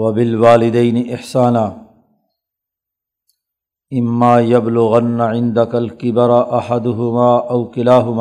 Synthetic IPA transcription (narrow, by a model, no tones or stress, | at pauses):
wɐbɪlwaːlɪd̪ajnɪʔɪħsaːnaː | ʔɪmːaːjablʊɣanːaʕɪnd̪akalkɪbɑɾˤʔaħad̪ʊɦʊmaːʔawkɪlaːɦʊmaː